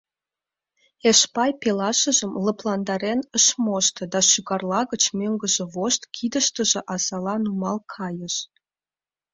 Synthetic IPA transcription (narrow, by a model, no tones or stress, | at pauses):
eʃpɑjpelɑʃəʒəmləplɑnd̪ɑɾenəʃmoʃt̪ɤ̆d̪ɑʃyɣɑrlɑɣət͡ɕmøŋɡəʒĕβoʃt̪kʰid̪əʃt̪əʒĕʔɑsɑlɑnumɑlkʰɑjəʃ